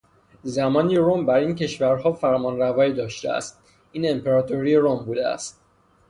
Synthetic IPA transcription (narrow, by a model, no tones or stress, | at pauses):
zæmɒːniɾombæɾiːnce̞ʃvæɾhɒːfæɾmɒːnɾævɒːiːd̪ɒːʃt̪ḛæ̰st̪̚ | iːne̞mpʰeɾɒːt̪ʰoɾiːeɾombuːd̪eæ̰st̪̚